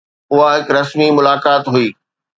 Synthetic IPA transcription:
ʊɦaɦɪkɾɐsmimʊlaːkaːt̪ɦuiː

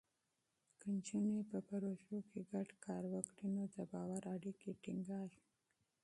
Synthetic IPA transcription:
kənt͡ʃinepəpaɾoʃokʰeɡaɖkɑɾwəkɽinod̪əbɑwaɾaɽikeʈiŋɡɑɾ

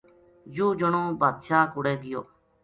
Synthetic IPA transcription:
juːd͡ʒoɳõːbaːd̪ʃaːkʊɽeːɡɪjo̰ː

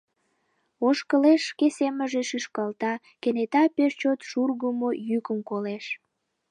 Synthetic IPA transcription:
oʃkəleʃkeseməʒeʃyʃkɑlt̪ɑ | kenet̪ɑpeʃt͡ɕot̪ʃurɣəmojykəmkoleʃ

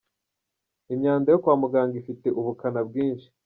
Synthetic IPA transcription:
imɲaːndajokwaːmuɡaːŋɡifite̞ʔuβukanab̚ɡiːnʃi̥

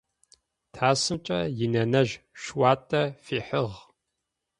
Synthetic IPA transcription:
tʰaːsɨmt͡ʃʼɐ̰jɪnɐnɐʒ | ʃwaːtʼɐfiːħəʁ

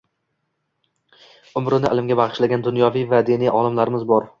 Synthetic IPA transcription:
ʊmɾɪnɪʔa̰lɪmɡʲabɑʁɨʃlaɡʲand̪ʊnjɒvijvad̪enijʔɒlˠɪmlaɾɪmɪzbɒɾ

